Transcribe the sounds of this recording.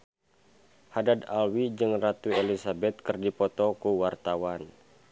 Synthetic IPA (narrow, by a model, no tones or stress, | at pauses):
hadad̪alwid͡ʒɨŋrat̪uelisabɛt̪̚kərdipɔt̪ɔkuwart̪awan